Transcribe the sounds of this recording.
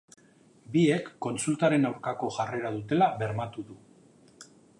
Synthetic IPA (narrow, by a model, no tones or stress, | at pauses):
bie̞kːo̞nsult̪aɾe̞nawɾkako̞ʝare̞ɾaðut̪e̞laβe̞ɾmat̪uðu